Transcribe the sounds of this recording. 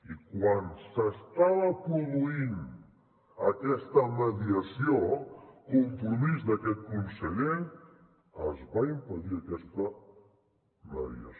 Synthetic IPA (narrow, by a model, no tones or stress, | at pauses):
ikwansəst̪aβəpɾuðuin | əkɛst̪əməðiəsiokumpɾumizd̪əkɛt̪̚kunsəʎen | əzβaimpəðiəkɛst̪ə | məðḭə̰s